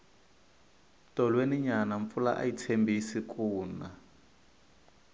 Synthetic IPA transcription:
tɔlweniɲanaɱp̪fula̰ʔa̰jit͡sʰembisikuːna

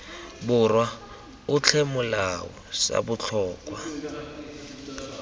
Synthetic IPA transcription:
bʊrwa | ʊt͡ɬʰɛmʊlawɔ̰sa̰bʊt͡ɬʰɔːkʼwa

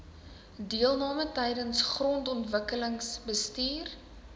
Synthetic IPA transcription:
diəlˠnɑːmətɛjdənsχrɔntɔntvəkələŋsbəstiːr

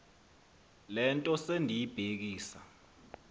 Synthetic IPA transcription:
lɛntʼɔsendʱijib̥ʱek̬iːsa̰

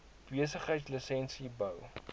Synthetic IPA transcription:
b̥iəsəχɦəjtslisɛnsibəw

